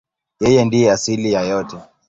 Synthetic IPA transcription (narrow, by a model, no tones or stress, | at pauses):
jɛjɛndijɛasilijajɔtɛ